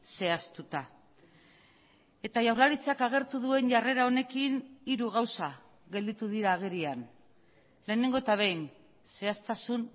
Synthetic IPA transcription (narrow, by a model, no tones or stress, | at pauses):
se̞ast̪ut̪a | e̞t̪aʝawɾlaɾit͡sakaɣ̞e̞ɾt̪uðue̞nʝare̞ɾao̞ne̞kiniɾuɣ̞awsa | ɣe̞ld̪it̪uðiɾaːɣ̞eɾian | le̞ːne̞ŋɡo̞et̪aβ̞ejn | se̞ast̪asun